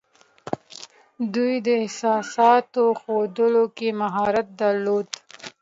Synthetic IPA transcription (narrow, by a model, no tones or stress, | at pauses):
d̪ujd̪əɪhsɑsɑt̪oxod̪əlokemaɦɑɾat̪̚d̪aɾlod̪